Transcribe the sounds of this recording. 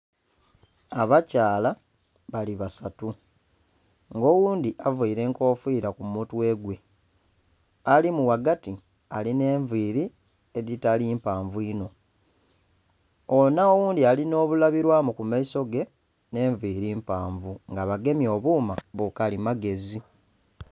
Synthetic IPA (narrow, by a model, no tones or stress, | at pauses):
aβacaːla | βaliβasatu | ŋɡo̞ːwuːndiʔavuiɾe̞ːŋko̞ːfwiːɾakumutwe̞ːɡwe̞ | alimuwaɡati | aline̞ːɱviːɾi | eðitalimpaːɱvuino̞ | onaowuːndialino̞ːβulaβiɾwaːmukumaiso̞ɡe̞ | ne̞ːɱviːɾiːmpaːɱvuŋɡaβaɡe̞mjo̞ːβuːmaβukalimaɡe̞zi